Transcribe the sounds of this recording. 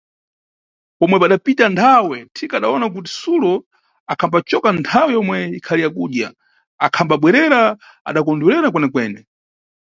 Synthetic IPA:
pɔmwɛpaɗapitantʰawɛtʰikaɗaɔnak̬ut̬i̥sulɔ | akʰambat͡ʃɔkantʰawɛjɔmwɛikʰalijakuɗja | akʰambaɓwɛɾɛɾa | a̰ɗak̬ɔnduɾɛɾak̬wɛnɛkwɛːnɛ

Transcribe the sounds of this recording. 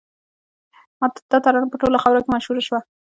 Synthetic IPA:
mat̪d̪̥at̪aɾɑnpəʈolaxawɾakemaʃhuɾaʃwa

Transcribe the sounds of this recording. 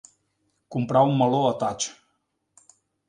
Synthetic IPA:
kumpɾawumːəloət̪at͡ʃ

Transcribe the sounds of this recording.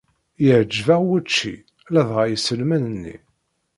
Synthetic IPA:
jəʕd͡ʒvaʁwæt͡ʃːḭ | læðʁajəsəlmænənːḭ

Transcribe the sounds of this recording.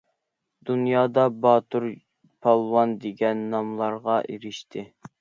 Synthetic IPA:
d̪̥unjɑːd̪ɑbɑt̪ʰuɾ | pʰɑlˠwɑnd̪eɡʲɛnːɑmlˠɑɾʁɑʔeɾɪʃt̪ʰɪ

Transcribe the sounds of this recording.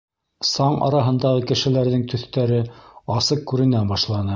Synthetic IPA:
sɑɴʔɑ̰ɾɑɦɤ̆nd̪ɑʁɤkɘ̆ʃɘ̆læɾðɘŋt̪ʰɵ̆θt̪æɾɘɑsɤq̚kʉɾɘ̆næbɑʃlˠɑnɤ

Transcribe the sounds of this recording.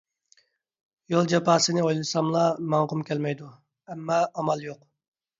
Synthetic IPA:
jolˠd͡ʒɛpɑːsɨnɪojlˠɨsɑmlˠɑmɑŋqʊmkʲʰɛlmɛjd̪u | ɛmːɑːmɑlˠjoq

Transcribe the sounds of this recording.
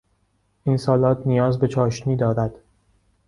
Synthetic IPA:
ʔinsɒːlɒːt̪ʰnijɒːzbe̞t͡ʃʰɒːʃniːd̪ɒːɾæd̪̥

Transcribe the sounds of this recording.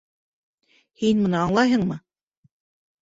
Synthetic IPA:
hinmɤ̆nɤɑɴlˠɑjɦɤ̆ɴmɤ

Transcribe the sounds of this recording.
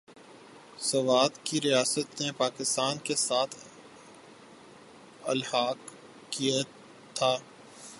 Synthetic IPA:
sɐʋaːd̪kiɾijaːsət̪nepaːkɪst̪aːnkesaːt̪ʰ | ɐlhaːɡ | kija | t̪ʰaː

